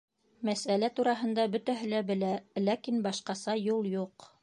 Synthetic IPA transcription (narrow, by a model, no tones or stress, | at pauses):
mæsælæt̪uɾɑɦɤ̆nd̪ɑbɵt̪æɦɘ̆læbɘ̆lælækinbɑʃqɑsɑjulˠjuq